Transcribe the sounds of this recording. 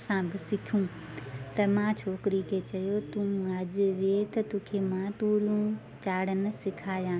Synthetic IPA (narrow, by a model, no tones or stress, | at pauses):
sãbɪsɪkʰjũː | t̪ɐmãt͡ɕʰoːkɪɾikʰet͡ɕɐjot̪ũːɐʄʋet̪ɐt̪ũːkʰemãt̪uːlũ | t͡ɕaːɽənɪ̆sɪkʰaːjãː